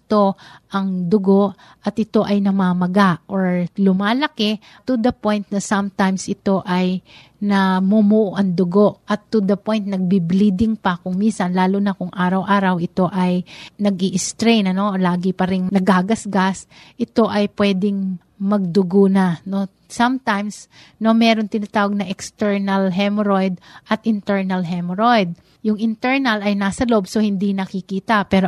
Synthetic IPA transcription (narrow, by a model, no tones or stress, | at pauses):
ɪt̪o̞ʔɐŋd̪ʊɡo̞ʔ | ʔɐt̪ʔɪt̪o̞ʔɐjnɐmaːmɐɡaʔʔoɹlʊmaːlɐkɛ | t̪ʊd̪ɐpo̞jnt̪̚nɐsɐmt̪ajmsʔɪt̪o̞ʔɐj | nɐmumuʔoʔɐŋd̪ʊɡo̞ʔʔɐt̪ːʊd̪ɐpo̞jnt̪̚nɐɡ̚biblid̪ɪŋpɐkʊŋminsɐnlaːlunɐkʊŋʔaːɾɐwʔaːɾɐwʔɪt̪o̞ʔɐjnɐɡiʔɪst̪ɾejnɐno̞laːɡɪpɐɾɪŋnɐɡaːɡɐsɡas | ʔɪt̪o̞ʔɐjpwɛːd̪ɪŋ | mɐɡ̚d̪ʊɡonɐno̞ | sɐmt̪ajms | no̞mɛːɾoŋt̪ɪnat̪aːwɐɡ̚nɐʔɛkst̪ɛɹnɐlɦɛmɾojd̪̚ʔɐt̪ʔɪnt̪ɛɹnɐlɦɛmɾojd̪̚ | jʊŋʔɪnt̪ɛɹnɐlɐjnaːsɐlo̞bso̞hɪnd̪inɐkɪkiːt̪ɐpɛːɾo